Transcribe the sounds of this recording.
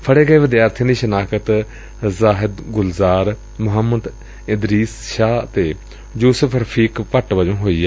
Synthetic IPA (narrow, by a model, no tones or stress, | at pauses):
pʰəɽeːɡəeːʋɪd̪jaːɾt̪ʰijãːd̪iːʃənaːkət̪ | zaːɦɪd̪ɡʊlzaːɾ | mʊɦəməd̪ | ɪd̪ɾiːsʃaːt̪eː | juːsəpʰɾəpʰiːkpəʈʋəd͡ʒõːɦoːiːɛː